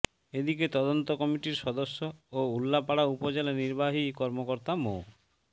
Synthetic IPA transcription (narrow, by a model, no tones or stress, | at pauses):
ed̪iket̪ɔd̪ɔnt̪ɔkɔmiʈiɾsɔd̪ɔsjɔoulːapaɽaupɔd͡ʒelaniɾbaɦikɔɾmɔkɔɾt̪amo̰